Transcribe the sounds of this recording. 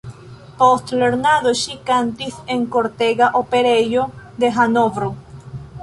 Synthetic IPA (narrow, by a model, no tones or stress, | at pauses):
post̪leɾnaðoʃikant̪iθeŋkoɾt̪eɣaʔopeɾejod̪exanoβɾo